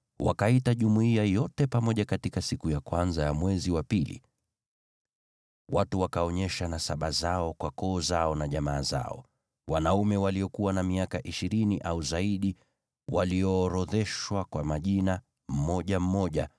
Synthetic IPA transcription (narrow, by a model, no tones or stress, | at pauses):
wa̰kaitaʄumuiajɔtɛpamɔʄakatikasikujakwanzajamwɛziwapilḭ | watuwakaɔɲɛʃanasaɓazaɔkwakɔːzaɔnaʄamaːza̰ɔ̰ | wanaumɛwalijɔkuwanamiakaʔiʃiɾiniʔauzaiɗi | waliɔːɾɔðɛʃwakwamaʄina | m̩mɔʄam̩mɔʄa